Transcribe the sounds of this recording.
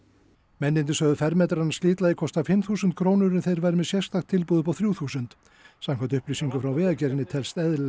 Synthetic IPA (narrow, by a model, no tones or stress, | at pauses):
mɛnːɪnt̪ɪsœːɣðʏfɛɾmɛt̪ɾanast̪ɪːt̪lajðɪkʰɔst̪afɪmθuːsʏnt̪̚kʰɾoːwnʏɾɪnθejɾvajɾɪmɛðsjɛst̪axt̪ʰːɪlpuːðʏpawθɾjuːwθuːsʏnt̪ | samkʰɛnt̪ʏhplisiŋkʏfɾawvɛːðacɛːɾɪnːɪt̪ʰɛlst̪ɛð